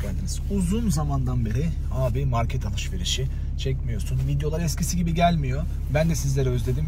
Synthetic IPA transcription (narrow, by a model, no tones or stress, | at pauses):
æɾd̪iniz̥uzunzamand̪anbe̞ɾi | aːbimaɾcʰɛt̪ʰalˠɯʃve̞ɾiʃi | t͡ʃʰɛcmijo̞sunvid̪jo̞lˠaɾɛscʰisiɟibiɟælʲmijo̞ | bænd̪ɛsizlʲeɾiø̞zlʲe̞d̪im